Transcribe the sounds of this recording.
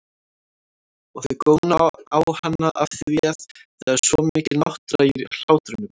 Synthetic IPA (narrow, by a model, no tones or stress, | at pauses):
ɔɣθœðkoːwnaawhanːaʔafθɪviaθθaɛɾ̥svɔmɪːcɪlnɔht̪ɾaiɾl̥aːwt̪ɾʏnʏm